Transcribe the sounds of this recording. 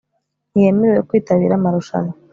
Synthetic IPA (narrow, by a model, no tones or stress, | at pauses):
nije̞meɾewwokwiːtaβiːɾamaɾuʃa̰na